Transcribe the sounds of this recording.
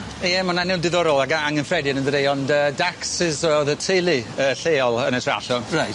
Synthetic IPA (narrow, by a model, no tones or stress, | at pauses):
iɛmɔnanɪwdɪðɔɾɔlˠaɡaaŋənfrɛdiɛnəndəɾejɔndədaksɪzɔɔðətʰejlˠiəɬeːɔlˠənətʰra̰ɬɔnraj